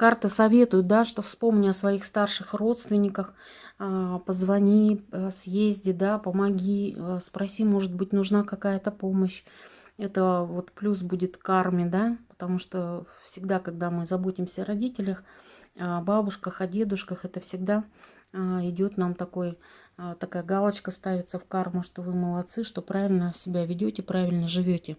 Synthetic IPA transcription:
kart̪ɨsɐvʲe̞t̪ʊjʊt̪̚d̪aʂt̪ofspo̞mnʲɪɐsvɐixst̪arʂɨxro̞t̪st̪vʲɪnʲːɪkəx | pəzvɐnʲisjezʲdʲɪd̪apəmɐɡʲispɾɐsʲimo̞ʐɨd̪̚bɨt̚ʲnʊʐnakɐkajət̪əpo̞məɕ | ɛt̪əvo̞t̪plʲus̬budʲɪt̪karmʲɪd̪apə̥t̪ɐmuʂt̪ofsʲɪɡd̪akɐɡd̪amɨzɐbo̞tʲɪmsʲəɐɾɐdʲitʲɪlʲəxababʊʂkəxɐdʲe̞d̪ʊʂkəxɛt̪əfsʲɪɡd̪a | əɪdʲo̞t̪namt̪ɐkoj | t̪ɐkajəɡalˠət͡ɕkəst̪avʲɪt̪səfkarmʊʂt̪o̞vɨməlˠɐt̪sɨʂt̪o̞pɾavʲɪlʲnəsʲɪbʲavʲɪdʲotʲɪpɾavʲɪlʲnəʐɨvʲotʲɪ

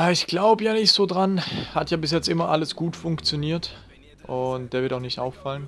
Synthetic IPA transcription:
aɪçɡ̥laʊbəjaːnɪçtz̥oːdʁanhatjaːbɪsjɛt͡stʔɪmɐʔaləsɡ̥uːtfʊŋkt͡sjoniːɐt | ʔʊntd̥eːɐvɪɐtaʊxnɪçtʔa̰ʊfalən

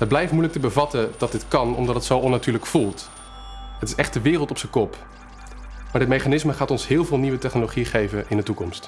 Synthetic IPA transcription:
ɦət̚blɛjftmujlək̚təbəvɑtəd̥ɑt̚dɪtkɑnɔ̰mdɑtətsowɔnatyːɹləkfulˠt | ətɪsɛχt̚dəʋɪːrəlˠtɔpsəkɔp | maːɹdɪtmejχanɪsməχaːtɔnsɦɪːlˠvɪːlˠniʋətɛχnoloχiχejvəʔɪndətukɔmst

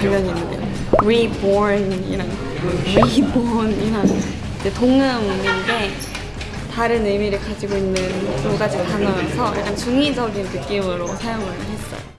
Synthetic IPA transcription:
uɭmjʌɲinːɯ̰a | wiboɾnḭɾan | wiboniɾan | id͡ʑetoŋɯminɡe̞ | taɾɯnemiɾɯɭkad͡ʑiɡoinːɯns͈uɡad͡ʑikpanajʌsʰʌjʔa̰ɲamt͡ɕuŋid͡ʑʌɡinnɯk͈imɯɾosʰajoŋɯɭhe̞s͈ʌ̰jo

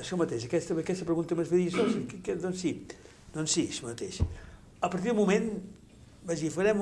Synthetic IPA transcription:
əʃɔmət̪eʃəkɛst̪əəkɛst̪əpɾəɣunt̪əməzfeðisɔskkd̪ɔnsi | d̪ɔnsiʃɔmət̪ḛʃ | əpəɾt̪iðumumen | baʒifəɾɛm

